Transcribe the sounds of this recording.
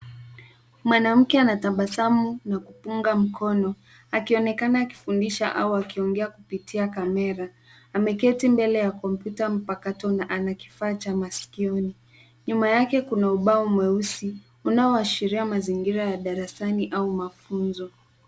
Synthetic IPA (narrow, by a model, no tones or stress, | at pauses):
mwanam̩kɛanataɓasamunakupuŋɡam̩kɔnɔ | akiɔnɛkanaːki̥fundiʃaʔa̰uakiɔŋɡɛakupitʰiakamɛɾaː | mɛkɛtimbɛlɛjakɔmpjutam̩pakatɔnaʔanaki̥faːt͡ʃamasi̥kiɔni | ɲumajakɛkunauɓaɔmwɛusi | unaɔaʃiɾiamaziŋɡiɾajaɗaɾasaniʔaumafunzɔ